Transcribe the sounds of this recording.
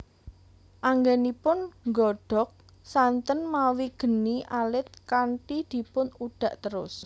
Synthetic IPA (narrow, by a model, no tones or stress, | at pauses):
ʔaŋɡɛnipʊnŋɡɔɖ̥ɔ̤k̚ | sant̪ənmawiɡ̥ə̤niʔalɪt̪̚kaɳʈid̪̥i̤pʊnuɖ̥ä̤ʔt̪əɾʊ̰s